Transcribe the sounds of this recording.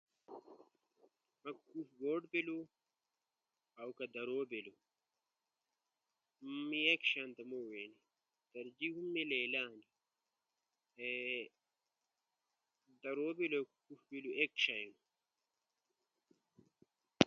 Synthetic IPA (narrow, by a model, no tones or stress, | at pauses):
mɐkkufɡoːɖbilu | ɐwkɐd̪ɐɾoːbelu | miekɕaːnt̪ɐmoweni | t̪ɐɾd͡ʑiɦumːileːlaːni | e | d̪ɐɾoːbilokkufbiluʔekɕajinu